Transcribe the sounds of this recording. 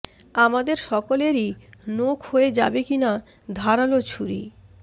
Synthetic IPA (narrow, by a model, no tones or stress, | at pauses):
amad̪eɾʃɔkoleɾinokʰhoed͡ʑa̰bekina | d̪ʱaɾalot͡ɕʰuɾḭ